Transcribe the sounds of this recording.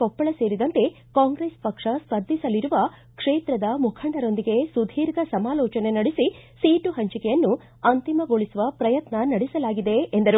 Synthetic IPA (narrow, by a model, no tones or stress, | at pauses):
ɔpːɐɭɐse̞ːɾid̪ɐnt̪e̞ | kaːŋɡɾeːspɐkʂɐspɐd̪ʱːisɐliɾuʋɐ | kʂeːt̪ɾɐd̪ɐmukʰɐɳɖɐɾo̞nd̪iɡe̞sud̪ʱiːɾɡɐsɐmaːlɔːt͡ʃɐne̞nɐɽisisiːʈuɦɐɲt͡ʃikɛjɐnːu | ɐnt̪imɐɡoɭisuʋɐpɾɐjɐt̪nɐnɐɽisɐlaːɡid̪e̞ːnd̪ɐɾu